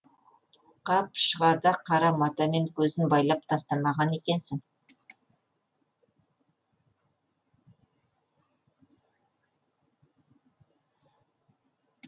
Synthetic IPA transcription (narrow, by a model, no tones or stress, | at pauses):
qʰɑpʃəʁɑɾd̪ɑqʰɑɾɑmɑt̪ɑme̞ŋkʲʰɵzɪnbɑjlˠɑp̚t̪ʰɑst̪ɑmɑʁɑne̞kʲe̞nsɪŋ